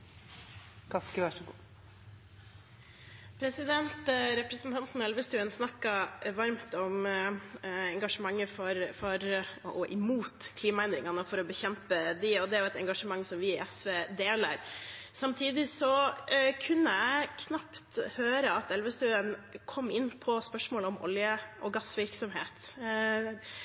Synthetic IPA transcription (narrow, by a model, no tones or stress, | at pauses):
kʰɑskəʋæʂɡu | pʰɾɛsɪd̪ɛnt̪ɾɛpɾəsn̩t̪ʰɑnt̪nɛlʋəst̪ʉːənsnɑkːɑʋɑɾmt̪ɔm | ɛŋɡɑʂəmɑŋːəfɔɾfɔɾʔɔʔɪmuːt̪kʰliːmɑænd̪ɾɪŋɑnəfɔɾɔbəçɛmpəd̪ɪɔd̪ɛæɾjʊɛt̪ɛŋɡɑʂəmɑŋːsɔmʋɪɪʔɛsʋeːd̪eːlə̰ɾsɑmt̪ʰiːd̪ɪsɔkʰʉnːəæɪkʰnɑpt̪høːɾəɑt̪ɛlʋəst̪ʉːənkʰɔmːɪnːpʰɔspœʂmɔːlɔmɔ̰ljəʔɔɡɑsʋɪɾksɔmɦeːt̪